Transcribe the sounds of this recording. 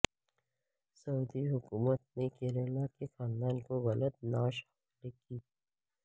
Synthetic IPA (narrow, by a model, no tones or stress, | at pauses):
sɐuːd̪iɦʊkuːmət̪̚nẽkelelakexãːnd̪aːnkoɣɐlət̪̚naːʃha | lekiː